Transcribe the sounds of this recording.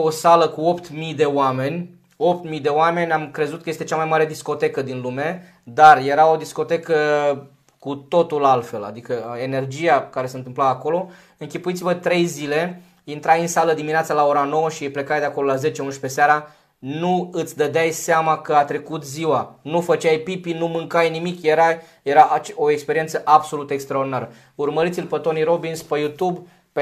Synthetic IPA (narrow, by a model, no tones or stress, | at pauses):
osaləkuo̞pt̪mijd̪e̞oame̞nʲ | o̞pt̪mijd̪e̞oame̞nʲamkɾe̞zut̪kəjest̪et͡ʃamajmaɾe̞d̪isko̞t̪e̞kəd̪inlume̞ | d̪arje̞ɾao̞d̪isko̞t̪e̞kə | kut̪o̞t̪ulalfe̞la̰d̪ikəe̞ne̞rd͡ʒijakaɾese̞nt̪ɨmplaːko̞lo̞ | ɨŋkʲipuit̪sivət̪ɾe̞jzile̞ | int̪ɾajɨnsaləd̪imineat̪salao̞ɾano̞wəʃiple̞kajd̪eakolo̞laze̞t͡ʃeunuʃpe̞seaɾa | nuɨt̪sʲd̪əd̪eajseamakəat̪ɾe̞kut̪ziwanufət͡ʃʲajpipinumɨŋkajnimikjeɾajjeɾaʔt͡ʃoekspeɾie̞nt̪səʔabso̞lut̪əekst̪ɾeaord̪inaɾə | urməɾit̪silʲpət̪o̞niɾo̞binspejut̪ub | p